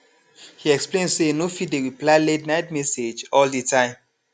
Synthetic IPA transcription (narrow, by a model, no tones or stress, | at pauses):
hiɛksplẽndsenofidewiplaɪlednaɪtmɛsed͡ʒɔlditʰãɪ̃m